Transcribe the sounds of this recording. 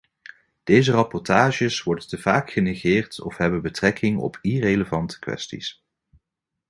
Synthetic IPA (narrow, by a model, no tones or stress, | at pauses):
d̥ejzərɑpɔɹtaːʒəsʋɔɹdəntəvaːkχəneχɪːɹtɔ̰fɦɛbənbətrɛkʰɪŋɔ̰pirejləvɑntʰə̥kʋɛ̰stḭs